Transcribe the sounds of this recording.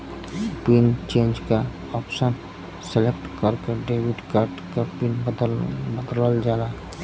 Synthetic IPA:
pɾint͡ʃẽːnd͡ʒka | ɔpsən | selek̚ʈkəɾkeɖeːwiɖkaɾɖkapin | bəd̪ləld͡ʒala

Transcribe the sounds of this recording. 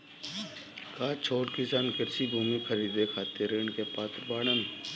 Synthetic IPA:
kaːt͡ʃʰoːʈkɪsaːnkɪɾsibʱuːmikʰəɾiːd̪ekʰaːt̪eɾeːɳkepaːt̪ɾbaːɽəmː

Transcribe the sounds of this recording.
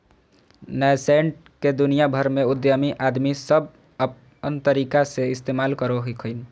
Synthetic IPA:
nəseɳʈ̚ | ked̪unijabʱəɾmeud̪jəmiʔad̪misəb | ənt̪əɾikaseist̪emalkəɾoɦikʰəɪn

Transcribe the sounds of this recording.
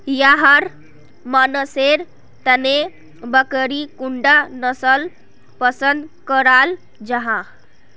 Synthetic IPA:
jaɦaɾ | manəseɾ | t̪əne | bəkəɾikuɳɖanəsəl | pəsənd̪kəɾal | d͡ʒaɦã

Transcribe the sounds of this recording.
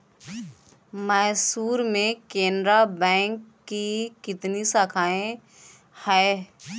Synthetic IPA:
mɛːsuːɾmẽkẽːndɾabɛ̃ːŋkːikɪt̪nisakʰaːẽ | hɛː

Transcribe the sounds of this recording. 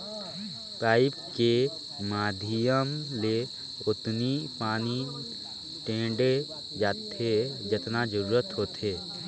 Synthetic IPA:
paːɪpke | maːd̪ʱijəmle | ʊt̪nipaːni | ʈẽːɖe | d͡ʒaːt̪ʰed͡ʒɪt̪nad͡ʒəɾuːɾət̪ɦoːt̪eː

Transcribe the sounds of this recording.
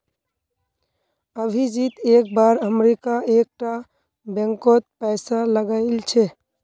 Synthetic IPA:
əbʱid͡ʒit̪ek̚baɾəmɾikaek̚ʈa | bɛ̃ŋkot̪̚pɛɪsaləɡaɪlt͡ʃʰe

